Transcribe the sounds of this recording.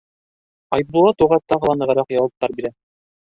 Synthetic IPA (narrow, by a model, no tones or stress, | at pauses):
ɑjb̚b̪ulˠɑt̪uʁɑt̪ɑʁɤ̆lˠɑnɤ̆ʁɤ̆ɾɑqjɑwɤ̆p̚t̪ɑɾbiɾæ